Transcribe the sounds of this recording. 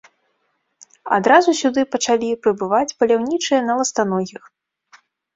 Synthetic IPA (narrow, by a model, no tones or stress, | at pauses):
a̰d̪ɾazusʲud̪ɨpɐt͡ʂalʲipɾɨbɨvat͡sʲpɐlʲawnʲit͡ʂɨjɐnɐlˠɐst̪anɔɣʲix